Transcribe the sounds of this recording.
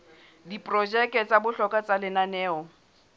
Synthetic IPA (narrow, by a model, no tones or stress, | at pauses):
dipʼrɔd͡ʒɛkʼɛt͡sʼabʊɬɔkʼat͡salɪnanɛːɔ